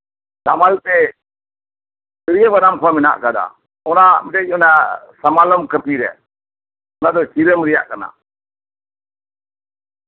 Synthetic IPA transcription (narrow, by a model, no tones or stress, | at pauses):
damalt̪ɛ | səɾijəbanamkʰwamɪna̰ʔkad̪a̰ | ɔnamɛʈɛcɔnasamaləmkəpiɾɛ̰ | ɔnad̪ɔt͡ʃiɾəmɾɛja̰ʔkana̰